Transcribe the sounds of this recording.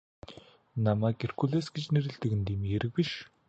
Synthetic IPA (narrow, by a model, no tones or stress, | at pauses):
namæːkerkuɮeːsɡet͡ɕneɾɘ̆ɮt̪ɘ̆kɘ̆nt̪iːmxeɾɘ̆k̚piʃ